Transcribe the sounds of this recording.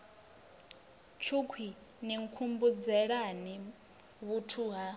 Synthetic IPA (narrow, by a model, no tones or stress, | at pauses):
t͡ʃʰukʰwi | niŋkʰumbud͡zɛɺani | βutʰuɦa